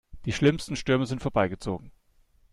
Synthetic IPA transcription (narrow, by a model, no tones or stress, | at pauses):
d̥iːʃlɪmstn̩ʃtʏɐməzɪntfoɐbaɪɡət͡so̰ːɡŋ̩